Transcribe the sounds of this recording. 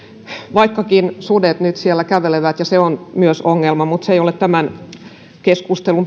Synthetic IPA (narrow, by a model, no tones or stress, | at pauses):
ʋɑikːɑkinsudet̪nyt̪siælːækæʋeleʋæt̪jɑseonmyøsoŋːelmɑmut̪seijolett̪æmæn | keskust̪elum